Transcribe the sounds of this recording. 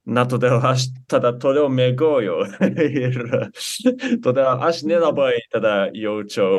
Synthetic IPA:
nat̪od̪eaɕ̬i̥t̪ad̪at̪oɾeomeɡojoeɾa | t̪od̪eʔaɕinenabait̪ad̪ajot͡ɕo

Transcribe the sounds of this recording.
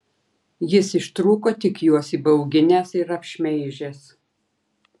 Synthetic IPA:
jɪsɪʃt̪ɾuːkoːt̪ʲɪkjuɔsiːbɐʊɡʲɪnʲɛsɪɾɐpʲʃʲmʲɛɪʒʲes

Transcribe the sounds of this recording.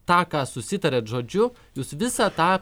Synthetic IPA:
t̪ɑːkɑːsʊsʲɪt̪ɐɾʲeːt̪ʒoːd͡ʒʲʊ | juːsʋʲɪsɑːt̪ɑː

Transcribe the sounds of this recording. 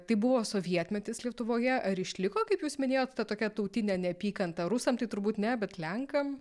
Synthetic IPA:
t̪ɐɪbʊʋoːsoːʋʲiɛt̪ʲmʲɛt̪ʲɪslʲiɛt̪ʊʋoːjɛʔɐɾɪʃʲlʲɪkoːkɐɪpjuːsmʲɪnʲeːjoːt̪t̪ɐt̪oːkʲɛt̪ɐʊt̪ʲɪnʲɛnʲɛɐpʲiːkɐnt̪ɐɾʊsɐmt̪ɐɪt̪ʊɾbuːt̪nʲɛbʲɛt̪lʲɛŋkɐm

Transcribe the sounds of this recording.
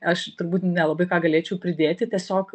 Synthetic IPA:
ɐʃt̪ʊɾbuːt̪nʲɛlˠɐbɐɪkɑːɡɐlʲeːt͡ʃʲɛʊpʲɾʲɪd̪ʲeːt̪ʲɪt̪ʲiɛsʲoːk

